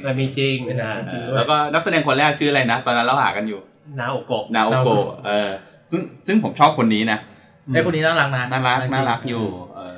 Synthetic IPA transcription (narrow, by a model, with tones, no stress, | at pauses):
a˧˩miː˧t͡ɕi˧ŋ˧naː˦˧˩i˧ulɛː˦˥wkɔː˥˩na˦˥k̚sa˧dɛː˧ŋkʰo˧nlɛː˥˩t͡ɕʰɯː˦˥˩ʔla˧jna˦˥t̪ɔː˧nːa˦˥lɾa˧˩ɦa̰ː˨˩ka˧njuː˨˩ | naː˦˥ʔo˨˧˩ko˨˩naː˦˥ʔo˦ko˨˧˩ʔɤː˧˩ | sɯ˥˩ŋsɯ˥˩ŋpʰo˩˦mt͡ɕʰɔː˥˩p̚kʰo˧nːiː˦˥na˦˥˧ | a˥˩kʰo˧ni˦naː˥˩la˦˥k̚na˦˥naː˥˩la˦˥naː˥˩la˦˥k̚juː˨˩ʔɤː˧˩